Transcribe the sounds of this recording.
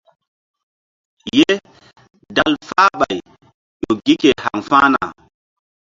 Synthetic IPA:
je˦ | da˦lfa˦ɓa˨j | ɗɔ˨ɡi˦kɛ˨ha˨ŋfaː˦na̰˨

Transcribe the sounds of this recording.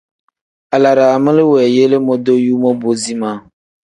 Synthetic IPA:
a˨la˨ɾa˨mɨ˦lɨ˦wɛː˨je˦le˦mɔ˦do˦juː˦mɔ˦bo˦zi˦maː˦

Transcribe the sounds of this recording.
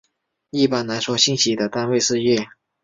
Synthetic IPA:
i˥˧pa˥˩nna˧˥nswɔ˧˥ɕi˥ŋɕi˧˥d̪ə˨t̪a˥˧nwe˥˧ɪsɹ̩˥˧ɥɛ˥˩

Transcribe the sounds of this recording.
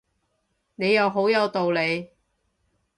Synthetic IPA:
ne˨˧jɐ˨˧wɦo˨˥wjɐ˨˧wt̪o˨wle˨˧j

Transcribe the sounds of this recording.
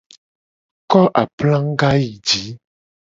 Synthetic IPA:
kɔ˦ʔa˨plã˦ŋ˦ɡa˦ji˨d͡ʒi˨˦

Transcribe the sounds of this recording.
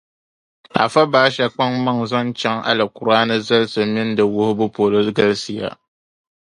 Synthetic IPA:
a̰˨fa˦baː˦ʃa˦k͡pa˦ŋma˦ŋza˦nt͡ʃa˦ŋa̰˨lɨ˨ku˨ɾaː˦nɨ˦za˦lsɨ˨mɪ˦n˦dɨ˨wʊ˦hʊ˦bʊ˦po˨lɨ˦ɡa˦lsɨ˨ja̰˦

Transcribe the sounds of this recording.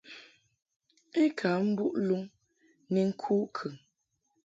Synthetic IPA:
e˦kʰa˨˦m̩˦bu˦ʔlu˦ŋ | ni˨ŋ̩˦kʰuː˦kʰʉ˨ŋ

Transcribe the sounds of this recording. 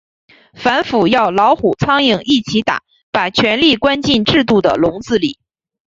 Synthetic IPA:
fa˧˥nfu˨˩jɑ˥˩ʊlɑ˧˥ʊxu˨˩t͡sʰɑ˥ŋi˧˩ŋʔi˥˩t͡ɕʰi˧˥t̪a̰˨˩˦ | pa˨˩t͡ɕʰɥɛ˧˥nli˥˩kwa˥nt͡ɕi˥˧nʈ͡ʂɻ̩˥˧t̪̬u˥˩d̪ə̰˩lʊ˧˥ŋt͡sɹ̩˥˩lḭ˨˩˦

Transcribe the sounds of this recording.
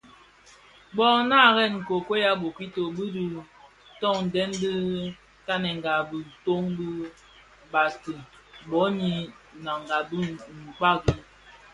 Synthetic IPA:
bɔ˦na˦˨ɣɛ˦˨nŋ̩˨ko˨ke˦ja˦bo˨ki˦to˨bi˦du˦ | tɔ˦˨ŋn̩˨dɛ˦ndɨ˦ | ta˦nɛ˨ŋ̩˨ɡa˨bi˨to˦ŋbi˦ | ba˨stɨ˨ | bɔ˨˦ɲi˦ | na˨ŋ˨ɡa˨bi˦ŋ̩˨k͡pa˦ɡi˦

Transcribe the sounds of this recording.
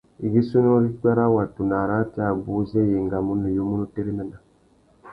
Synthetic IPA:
i˨ɡi˦su˦no˦ɾi˦k͡pa˦ɾa˦wa˨tu˨na˨ɾa˦ti˦a˨bu˦se˦je˨ŋɡa˨mu˦nu˨jo˦mu˦nu˦te˦ɾi˦me˦na˨

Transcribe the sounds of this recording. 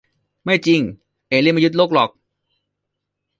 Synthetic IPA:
ma˥˩jt͡ɕi˧ŋ | ʔeː˨˩li˥˩˨ma˧ju˦˥t̪̚loː˦˥˩k̚lɔ˨˩k̚

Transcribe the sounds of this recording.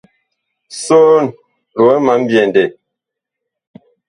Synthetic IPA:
so˦n | lo˨ɛ˦ma˨˦m̩˦bjɛ˨n˨dɛ˨

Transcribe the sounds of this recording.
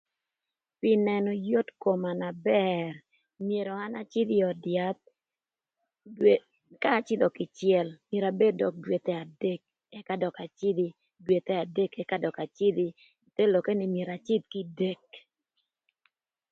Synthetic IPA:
pɪ˦nɛ˨nɔ˨jo˦tko˨ma˨na˨bɛ˦r | mje˨ɾɔ˨a˦na˦t͡ʃɪ˦d̪ɪ˦ɔ˨dja˦t̪̚ | kaː˦˨t͡ʃɪ˦d̪ɔ˨kɪ˨t͡ʃjɛ˨lmje˨ɾa˨be˦dɔ˨k̚dwe˨t̪ɛ˦a˨de˦k̚ | ɛ˦ka˦dɔ˨ka˨t͡ʃɪ˦d̪i˦ | dwe˨t̪ɛ˦a˨de˦kɛ˦ka˦dɔ˨ka˨t͡ʃɪ˦d̪i˦ | t̪e˦lɔ˨ke˦nɪ˨mje˨ɾa˨t͡ʃɪ˦t̪̚ki˦de˦k̚

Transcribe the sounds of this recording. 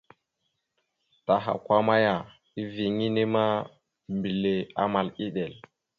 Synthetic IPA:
ta˨ɦa̰˨kʷa˦ma˦ja˨ | i˦vi˨ŋi˦ni˦ma˦ | mbi˨le˨a̰˦ma˨li˦ɗe˨l

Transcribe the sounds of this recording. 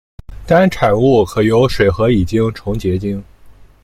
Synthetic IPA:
t̪a˥nʈ͡ʂʰa˨˩nu˥˩kʰɤ˨˩jo˧˥ʊʂwe˨˩ɪxɤ˧˥i˨˩t͡ɕi˥ŋʈ͡ʂʰʊ˧˥ŋt͡ɕjɛ˧˥t͡ɕi˥ŋ

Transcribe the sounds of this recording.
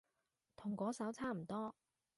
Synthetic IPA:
t̪ʰʊ˨˩ŋkɔː˨˥sɐ˨˥wt͡sʰaː˥m̩˨˩t̪ɔː˥

